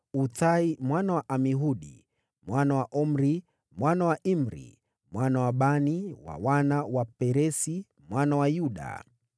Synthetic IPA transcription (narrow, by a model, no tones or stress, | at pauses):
utaimwanawaʔamiɦuɗḭ | mwanawaʔɔm̩ɾi | mwanawaʔim̩ɾḭ | mwanawaɓaniwa̰wanawapɛɾɛsi | mwanawajuɗa̰